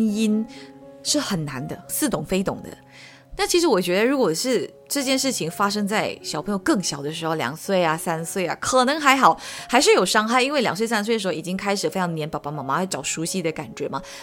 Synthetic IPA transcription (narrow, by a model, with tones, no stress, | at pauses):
ni˥nʂɻ̩˥˩xə˨˩nna˧˥nd̪ə˧sɹ̩˥˩t̪ʊ˨˩ŋfe˥ɪt̪ʊ̰˨˩ŋd̪ə̰˦ | na˥˩t͡ɕʰi˧˥ʂɻ̩˧˥wɔ˨˩t͡ɕɥɛ˧˥d̪ə˧ɻu˧˥kwɔ˨˩ʂɻ̩˥˧ | ʈ͡ʂɤ˥˧t͡ɕjɛ˥˧nʂɻ̩˥˩t͡ɕʰi˨˩ŋfa˥ʂ̬ɤ˥ŋt͡sa˥˩ɪɕjɑ˨˩pʰɤ˧˥ŋjo˧ʊkɤ˥˩ŋɕjɑ˨˩ʊd̪ə˦ʂɻ̩˧˥xo˧ʊljɑ̰˨˩ŋswe˥˩ɪɐ˩sa˥nswe˥˩ɪɐ̰˨˩kʰɤ˨˩nɤ˧˥ŋxa˧˥ɪxɑ˨˩˦ʊxa˧˥ɪʂ̬ɻ̩˥˩jo˨˩ʊʂɑ˥ŋxa˥˩ɪi˥nwe˥˩ɪljɑ˨˩ŋswe˥˩ɪs̬a˥nswdə˩ʂo˥˧˨i˨˩t͡ɕi˥ŋkʰa˥ɪʂ̬ɻ̩˨˩fjɑ˧˥ŋd̪ə˧jɛ˧˥npɑ˨˩pa˥ma˨˩ma˧˥xʈ͡ʂɑ˨˩ʊʂu˧˥ɕi˧˥d̪ə˩ka̰˨˩nt͡ɕɥɛ˧˥mɐ˧